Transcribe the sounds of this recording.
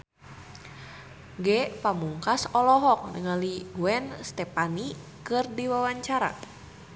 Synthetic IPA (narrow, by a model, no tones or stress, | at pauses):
ɡɛpamuŋkasɔlɔɦɔk̚nəŋaliuɛnst̪ɛpani | kɨrdiwawaɲt͡ʃaɾa̰